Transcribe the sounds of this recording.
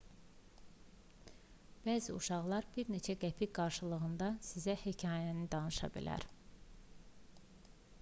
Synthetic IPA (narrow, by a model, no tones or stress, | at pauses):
b̥æːziuʃɑʁlˠɑɾbiɾne̞t͡ʃʰæɡæpʰiɡɑɾʃɯlˠɯɣɯnd̪ɑsizæhecʰɑːjænid̪ɑnɯʃɑ̰bḭlæ̰ɾ